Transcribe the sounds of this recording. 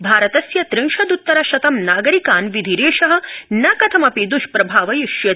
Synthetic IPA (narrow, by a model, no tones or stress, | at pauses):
bʱaːɾɐt̪ɐsjɐt̪ɾɪŋʃɐd̪ut̪ːɐɾɐʃɐt̪ɐmnaːɡɐɾikaːnʋid̪ʱiɾeːʃɐɦɐ̆nɐkɐt̪ʰɐmɐpid̪uʃpɾɐbʱaːʋɐjiʃjɐ